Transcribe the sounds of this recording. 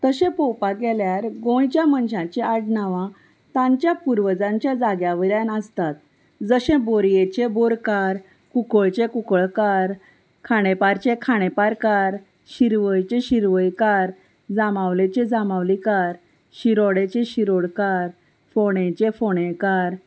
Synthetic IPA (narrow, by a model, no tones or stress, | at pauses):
t̪əɕẽpowpaɡɛljaɾɡõjt͡ɕjamənɕãt͡ɕeaʈnaʋã | t̪ãɲt͡ɕjapuɾʋəd͡zãɲt͡ɕjad͡zaɡjaʋəɾjãnəst̪at̪ | d͡zəɕẽboɾjet͡ɕeboɾkaɾ | kukəɭt͡ɕẽkukəɭkaɾ | kʰaɽ̃epaɾt͡ɕekʰaɽ̃epaɾkaɾ | ɕiɾʋəjt͡ɕeɕiɾʋəjkaɾ | d͡zamaʋlet͡ɕẽd͡zamaʋlikaɾ | ɕiɾoɽet͡ɕeɕiɾoɽkaɾ | foɽ̃ẽt͡ɕefoɽ̃ẽkaɾ